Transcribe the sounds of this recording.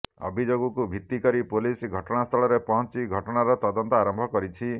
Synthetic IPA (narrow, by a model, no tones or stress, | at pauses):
ɔ̰bʱid͡ʒoɡɔkubʱit̪ːikɔɾipulisɡʱɔʈɔɽ̃ast̪ʰɔɭɔɾepɔɦɔ̃t͡ʃiɡʱɔʈɔɽ̃aɾɔt̪ɔd̪ɔnt̪ɔaɾɔmbʱɔkɔɾit͡ʃʰi